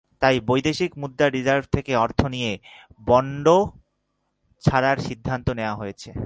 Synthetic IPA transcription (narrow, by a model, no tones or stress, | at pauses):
t̪ajbojd̪eʃikmud̪ːaɾid͡ʑaɾbʱt̪ʰekeɔɾt̪ʰonijebɔɳɖo | t͡ɕʰaɾaɾʃid̪ʱːant̪oneoaɦojet͡ɕʰe